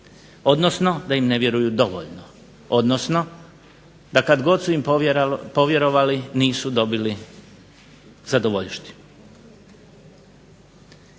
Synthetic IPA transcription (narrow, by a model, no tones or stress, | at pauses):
o̞d̪nosno̞d̪aimne̞ʋje̞ɾujud̪o̞ʋo̰ʎno | o̞d̪nosno̞ | d̪akad̪ɡo̞d̪suimpo̞ʋje̞ɾo̞ʋaliniːsud̪o̞bili | zad̪oʋoʎʃt̪i̥